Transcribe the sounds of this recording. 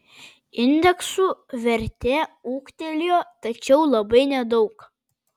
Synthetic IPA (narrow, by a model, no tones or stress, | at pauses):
ɪnʲd̪ʲɛksuʋʲɛɾʲt̪ʲeːuːkt̪ʲɛlʲjoːt̪ɐt͡ʃʲɛʊlˠɐbɐɪnʲɛd̪ɒʊk